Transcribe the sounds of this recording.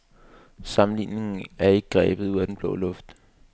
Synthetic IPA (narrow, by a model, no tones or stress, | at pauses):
sɑ̈m̩lḭːne̝ŋn̩æɐe̝ɡ̥əɡ̥ʁɛːb̥ð̞̩ˠuð̰ˠæd̥enb̥lɔ̰̽ːlɔ̽fd̥